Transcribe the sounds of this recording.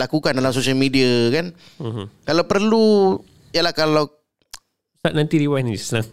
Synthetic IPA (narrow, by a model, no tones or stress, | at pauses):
lakukandalamsosialmidiakan̩ | kalawpərlu | jalahkalaw | sat̪̚nant̪iɾiwanist̪ənaŋ